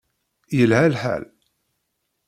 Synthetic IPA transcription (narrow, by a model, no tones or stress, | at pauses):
jəlɦælħæ̰l